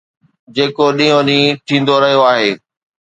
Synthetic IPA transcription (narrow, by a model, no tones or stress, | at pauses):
d͡ʑeːkoɗĩːɦõɗĩːʈ̪ʰĩːn̆d̪oɾɐɦijoaːɦeː